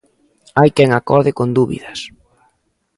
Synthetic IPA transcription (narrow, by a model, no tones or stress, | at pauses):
ajkɛŋakɔɾðɪkond̪uβḭðɐs